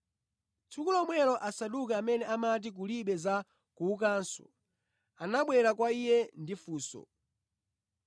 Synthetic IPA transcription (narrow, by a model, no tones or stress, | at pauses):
t͡sukulɔmwɛlɔʔasaɗukaːmɛnɛʔamat̬ik̬uliɓɛza | kuːk̬aːnsɔ̰ | anaɓwɛɾakwaijɛndifuːsɔ̰